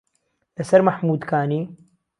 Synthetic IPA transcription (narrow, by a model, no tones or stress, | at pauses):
lɐsɐɾmaħmuːd̪kʰaːniː